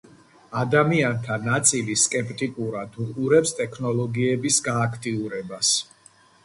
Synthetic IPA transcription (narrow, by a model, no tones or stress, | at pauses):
ad̪amiant̪ʰanat̪sʼiliskʼɛpʼt̪ʼikʼuɾad̪uqʼuɾɛpst̪ʼɛkʰnɔlˠɔɡiɛbisɡaːkʰt̪ʼiuɾɛbas